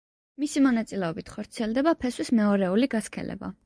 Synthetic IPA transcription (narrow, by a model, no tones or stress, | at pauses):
misimɔnat̪sʼilɛɔbit̪ʰχɔɾt̪sʰiɛlˠd̪ɛbapʰɛswismɛɔɾɛuliɡaskʰɛ̰lɛ̰ba̰